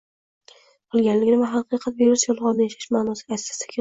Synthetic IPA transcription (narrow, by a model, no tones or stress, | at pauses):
qʰɨlˠɡʲanlɪɡʲnɪmaɦɑqɨqʰɑt̪̚beɾʊsjɒlˠʁɒmnɪjaʃḁʃmaːnɒsɪasːḁst̪ḁkʰʲe